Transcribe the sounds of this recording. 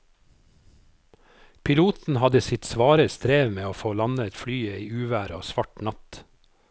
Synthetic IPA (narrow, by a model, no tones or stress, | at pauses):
pʰɪluːt̪n̩hɑd̪əsɪt̪sʋɑːɾəɾst̪ɾeːʋmeːoːfoːlɑnəɛt̪flyːəiːʉːʋæːɾo̰ːsʋɑʈnɑt̪